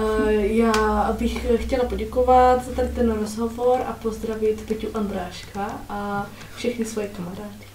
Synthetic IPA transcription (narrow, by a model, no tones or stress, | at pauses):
jaːbɪxxcɛlapo̞ɟɛkovat̪zat̪aɾɪt̪ɛnɾozɦovoɾʔapo̞zd̪ɾavɪt̪pɛcuʔand̪ɾaːʃkʰaʔa | fʃɛxnɪsvojɛkamaɾaːcɪ̥